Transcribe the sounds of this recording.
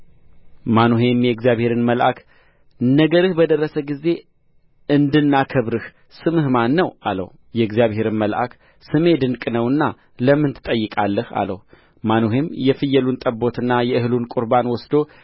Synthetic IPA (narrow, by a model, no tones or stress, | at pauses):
manoɦe̞mjɛɨɡzijaβhe̞ɾɨnməlʔakʰ | nːəɡəɾɨhbəd̪ərːəsəɡize̞ | ɨnd̪ɨnːakʰɨβɾɨh | sɨmɨhmanːəwa̰lə̰w | jɛɨɡzijaβhe̞ɾɨnməlʔa̰k | sɨme̞d̪ɨnkʼnəwɨnːa | ləmːɨnt̪ʰɨt̪ʼəjːɨkʼalːəha̰lə̰w | manoɦe̞mjɛfɨjːɛlunt̪ʼəbːo̞t̪ɨnːajɛɨhɨlunkʼuɾbanwɔsd̪o